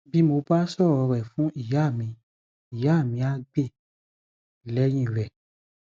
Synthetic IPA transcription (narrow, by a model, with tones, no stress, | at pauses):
bi˦mo˧ba˦sɔ˦˨ɔ˧ɾɛ˨fũ˨˦i˦˨ja˨˦˨mĩ˧ | i˨ja˨˦˨mĩ˧˦a˧˦ɡ͡be˦˨ | lɛ˨˦j̃ĩ˦˨ɾɛ˨